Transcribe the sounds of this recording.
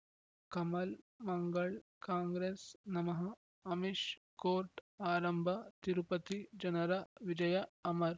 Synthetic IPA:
kɐmɐl | mɐŋɡɐɭkaːŋɡɾeːsnɐmɐɦɐː | miʃ | koːɾʈaːɾɐmbʱɐt̪iɾupɐt̪id͡ʒɐnɐɾɐʋid͡ʒɐjɐɐmɐɾ

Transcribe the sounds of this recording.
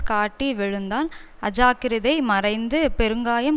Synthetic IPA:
kaːʈːiʋɛɻɯnd̪aːl | ɐd͡ʒaːkɪɾɪðɐɪmɐɾɐɪnd̪ɯpɛɾɯŋɡaːjɐm

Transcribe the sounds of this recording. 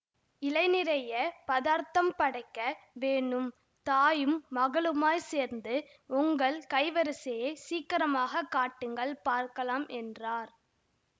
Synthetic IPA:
ɪlɐɪnɪɾɐjɐpɐðaːɾt̪ɐmpɐɽɐɪkːɐʋeːɳɯm | t̪aːjɯmːɐɣɐɭɯmaːjseːɾnd̪ɯ | ʊŋɡɐɭkɐɪʋɐɾɯsɐjeːsiːkːɐɾɐmaːɣɐkːaːʈːɯŋɡɐɭpaːɾkɐlaːmʔɛndraːɾ

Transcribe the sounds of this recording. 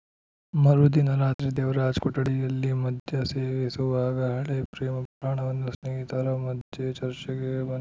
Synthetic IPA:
mɐɾud̪inɐɾaːt̪ɾid̪eːʋɾaːd͡ʒkuʈːɐɽijɐlːimɐd̪jɐseːʋesuʋaːɡɐɦɐɭepɾeːmɐpɾaːɳɐʋɐnːusnɐɦit̪ɐɾɐmɐd̪jet͡ʃɐɾt͡ʃɐɡebɐn

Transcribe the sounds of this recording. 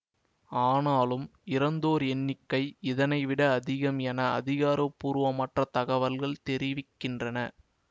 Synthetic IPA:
aːnaːlɯmɪɾɐnd̪oːɾɛnːɪkːɐɪɪðɐnɐɪʋɪɽɐːðɪɣɐmɛnɐɐ̰ðɪɣaːɾɐpːuːɾɯʋɐmɐʈrɐt̪ɐɣɐʋɐlɣɐɭt̪ɛɾɪʋɪkːɪndrɐnɐ

